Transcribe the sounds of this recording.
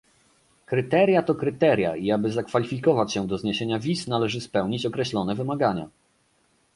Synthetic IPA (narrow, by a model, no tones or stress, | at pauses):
kɾɘt̪ɛɾʲjat̪ɔkɾɘt̪ɛɾʲja̰iabɘzakfalʲifʲikɔvat͡ɕɕɛd̪ɔzɲeɕeɲavʲisnalɛʐɘspɛwɲit͡ɕɔkɾɛɕlɔnɛvɘmaɡaɲa̰